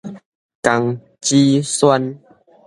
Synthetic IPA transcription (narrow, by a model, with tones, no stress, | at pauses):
ka˧˩ŋ | t͡ɕi˦swa˦n